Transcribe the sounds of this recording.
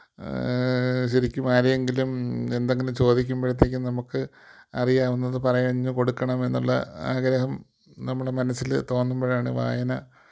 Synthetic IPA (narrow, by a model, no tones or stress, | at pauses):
ɕɐɾikʲːumaːɾije̞ŋɡilume̞nd̪eŋɡilumt͡ɕo̞ːd̪ikʲːumbɐɻɐt̪̬ːeːk̬ʲːɨnɐmukːɨ | ɐrijaːʋunːɐðɨpɐrɐjɐɲːɨko̞ɽukːɐɳɐme̞nːṵɭːɐ̰aːɡɾɐɦɐm | nɐmːuɭemɐnɐsːilt̪o̞ːnːumboːɻaːɳɨ̰ʋa̰ːjɐnɐ